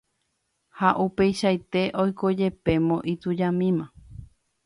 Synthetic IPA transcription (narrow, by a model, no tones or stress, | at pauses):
haʔupe̞jʃajt̪e̞ʔojkod͡ʒe̞pe̞mõʔit̪ud͡ʒamĩmã